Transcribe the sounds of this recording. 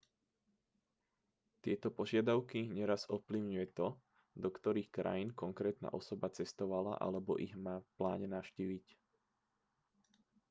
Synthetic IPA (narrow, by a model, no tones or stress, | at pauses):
t̪ɪɛt̪ɔpɔʒɪad̪aʊkiɲɛɾazɔfpliʊɲujɛt̪ɔ | d̪ɔkt̪ɔɾiːxkɾa̰jinkɔŋkɾɛːt̪na̰ʔɔsɔbat͡sɛst̪ɔʋala̰ʔa̰lɛbɔ̰ʔiɣmaːfpla̰ːɲɛnaʊʃciːʋic